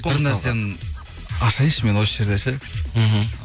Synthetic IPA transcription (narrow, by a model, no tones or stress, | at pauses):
ɪɾnæɾsen | ɑʃɑjəʃme̞nwo̞səʒe̞ɾd̪eʃɪɦm̩